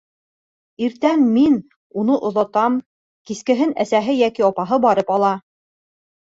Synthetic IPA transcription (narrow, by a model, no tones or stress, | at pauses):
iɾt̪æmːin | un̪ɤʔŏðɑt̪ɑm | kiskɘ̆ɦɘnæsæɦɘjækiɑpɑɦɤbɑɾɤpɑlˠɑ